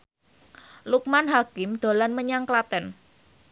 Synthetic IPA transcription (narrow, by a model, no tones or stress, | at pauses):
luk̚manɦakɪmd̪̥o̤lanməɲaŋklat̪ɛn